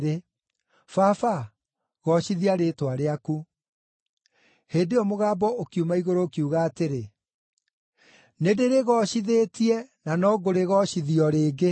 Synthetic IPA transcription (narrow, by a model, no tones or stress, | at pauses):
ɾe | fafa | ɣɔɕiðiaɾetwaɾeaku | heːndeɔmoɣaːbɔokiumaiɣoɾoːkiuɣaːteɾe | nedeɾeɣɔɕiðeːtiɛnanɔɡoɾeɣɔɕiðiɔɾeːɡe